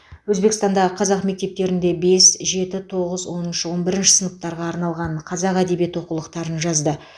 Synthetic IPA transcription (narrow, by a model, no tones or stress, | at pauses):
wɵzbe̞kɪst̪ɑnd̪ɑʁəqʰɑzɑqme̞k̚t̪e̞p̚t̪e̞ɾɪnd̪e̞be̞sʒe̞t̪ɪt̪ʰo̞ʁəzwo̞nənʃəwo̞nbɪɾɪnʃɪ̥sənəp̚t̪ɑɾʁɑːɾnɑlˠʁɑɴqʰɑzɑqæd̪e̞bije̞t̪wo̞qulˠəqt̪ɑɾənʒɑzd̪ə